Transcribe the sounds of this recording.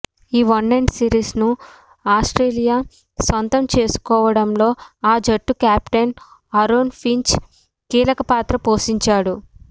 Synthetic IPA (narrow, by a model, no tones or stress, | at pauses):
iːʋɐnːɐɳɖsiːɾiːsnu | aːsʈɾeːlijaː | sʋɐnt̪ɐmt͡ʃe̞ːsu̥kɔːʋɐɽɐmlo̞ːaːd͡ʒɐʈːukjaːpʈen | ɐɾoːnpʰiɲt͡ʃ | kiːlɐkɐpaːt̪ɾɐpoːʃiɲt͡ʃaːɽu